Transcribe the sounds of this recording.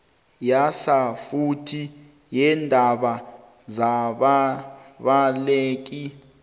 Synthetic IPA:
jasafutʰi | jɛndʱaɓa | zaɓaɓaleːk̬i

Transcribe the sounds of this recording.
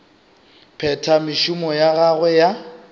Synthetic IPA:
pʰɛtʰamɪʃʊmɔjaɣaɣwɛja

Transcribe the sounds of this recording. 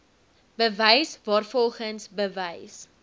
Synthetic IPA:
bəvəjsvɑːrfɔlˠχənsbəvɛjs

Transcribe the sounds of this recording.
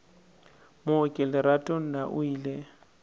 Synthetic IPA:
mʊʊkʼɪlɪɾatʼon̩naʔʊiːle

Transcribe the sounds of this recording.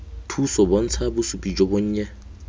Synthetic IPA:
tʰusɔbɔn̩t͡sʰabʊsupʼid͡ʒɔbʊɲ̩ːɲɛ

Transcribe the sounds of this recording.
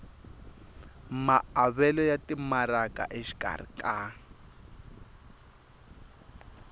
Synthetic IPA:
maaβɛlɔjatimaɾaka̰ʔeʃi̥kʼa̰rḭkʼa

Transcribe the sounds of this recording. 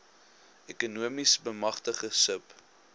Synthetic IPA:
ekunuəmisbəmɐχtəχəsəp

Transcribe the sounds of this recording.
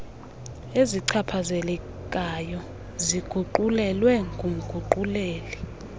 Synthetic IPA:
eziǀʰapʰazɛlɛ | k̬ʼajɔ | ziɡ̥ʱuǃulɛlwɛŋɡʱum̩ɡ̥ʱuǃuleːli

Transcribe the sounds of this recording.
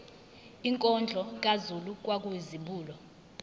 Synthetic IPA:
iŋkʼɔnd͡ɮʱɔk̬ʼazuluk̬ʼwak̬ʼuizimɓuːlɔ

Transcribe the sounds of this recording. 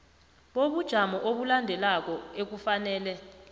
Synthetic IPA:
ɓoɓud̥ʒ̥ʱamɔʔoɓulandʱɛlak̬ʼɔek̬ufanɛːlɛ

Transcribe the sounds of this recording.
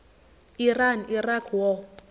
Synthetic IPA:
iranirakʰwɔ

